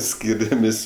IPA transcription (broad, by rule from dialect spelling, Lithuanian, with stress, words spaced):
ˈsʲkʲiːrʲɛmʲeːsʲ